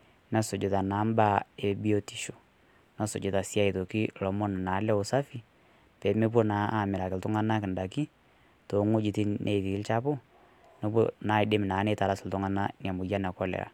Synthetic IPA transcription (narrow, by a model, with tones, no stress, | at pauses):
na˦sʊ˨d͡ʒʊ˨ta˨na˨˦mba˦˨e˨bi˦o˦ti̥˨ʃo̥˨ | na˦sʊ̰˨d͡ʒɪ˦ta˨si˦a˦i˨to˨ki˦lɔ˨mɔ˦n˨na˨˦lɛ˦ʊ˨sa˦fi˦ | pɛ˨˦me˦p̬o˦na˨˦a˦˨mɪ˨ɾa˨kɪ˨ltʊ˦ŋa˦na˦kɪ˨nda˨ki˦ | to˨ŋʊ˦d͡ʒi˨ti˦nʔe˨ti˨˦lt͡ʃa˦pʊ˦ | nɔ˦p̬o˦na˨˦ɪ˨de˦m˨naː˨˦ne˨ta˨ɾa˦sɪ˨ltʊ˦ŋa˦na˦n˨a˨mʊ˨ja˦na˨kɔ˦lɛ̰˨ɾa̰˨